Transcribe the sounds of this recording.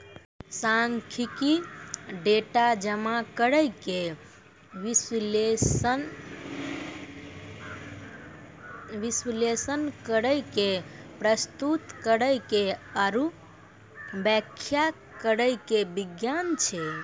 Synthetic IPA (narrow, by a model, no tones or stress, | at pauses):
saŋkʰikiɖeʈad͡ʒəmakəɾəjke | ʋisl | ʋislesənkəɾəjkepɾəst̪ut̪kəɾəjkeəɾu | bɛkʰːja | kəɾəjkebiɡjant͡ʃʰe